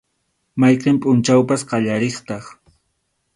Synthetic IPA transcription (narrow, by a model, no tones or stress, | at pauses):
majqempʼʊnt͡ʃawpasqɑʎaɾeχt̪ɑχ